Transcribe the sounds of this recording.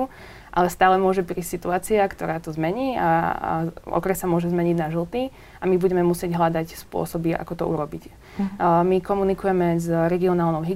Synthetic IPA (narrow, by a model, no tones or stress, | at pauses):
u | ʔa̰lɛst̪aːlɛmʊɔʒɛpɾiːsʲtsit̪uaːt͡siakt̪ɔɾaːt̪ɔzmɛɲiːa̰ | ɔ̰kɾɛsːamʊɔʒɛzmɛɲiɟnaʒl̩ˠt̪i | amibuɟɛmɛmusɪɛɟɦlad̪acspʊɔ̰sɔbia̰kɔt̪ɔ̰ṵɾɔbic | mikɔmunikujɛmɛzɾɛɡiɔnaːlˠnɔʊɦi